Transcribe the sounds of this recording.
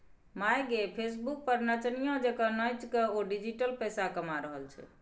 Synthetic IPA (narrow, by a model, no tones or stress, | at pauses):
majɡepʰesbuk̚pəɾnət͡ʃnijõd͡ʒekənəjt͡ʃkeoɖid͡ʒiʈəlpəjsakəmaɾəɦəlt͡ʃʰɛ̰